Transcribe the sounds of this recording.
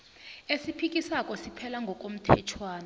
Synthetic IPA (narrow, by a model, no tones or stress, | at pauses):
esipʰik̬ʼisakʼɔsipʰɛlaŋɡʱɔk̬ʼom̩tʰɛ̰t͡ʃʰwaːna